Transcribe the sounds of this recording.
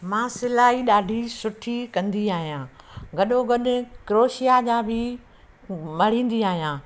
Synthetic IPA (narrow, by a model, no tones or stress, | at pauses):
mãːsɪlaːiɗaːɖʱisʊʈʰikɐ̃nd̪iaːɦijãːɡɐɗoɡɐɗʊkɾoːʃijad͡ʑãbʱɪ | mɐɽ̤ĩːn̆d̪iaːɦijãː